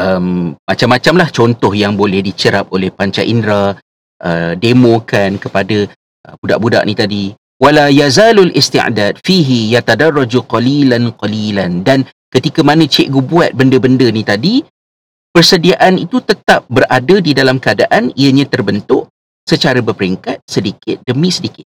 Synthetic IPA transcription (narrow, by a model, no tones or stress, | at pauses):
ʔəmːat͡ʃamːat͡ʃamlaht͡ʃɔnt̪ɔhjaŋbolɛhdit͡ʃəɾap̚olɛhpaɲt͡ʃa̰ʔindɾa | ʔə̰demõkankəpada | əbuda̰ʔbuda̰ʔnit̪adi | walajazaːlalʔist̪ḭʔdaːd̚fiɦijat̪adarːad͡ʒuqɑlilanqɑlilandan | kət̪ikamãnə̃t͡ʃɛʔɡubuat̪̚bəndəbəndənĩt̪adi | pərsədiaʔanit̪ut̪ət̪ap̚bərʔadadidalamkəadaʔaniəɲãt̪ərbənt̪ʊʔ | sət͡ʃaɾabərpəɾiŋkat̪̚sədikɪt̪̚dəmĩsədikɪ̥t̪̚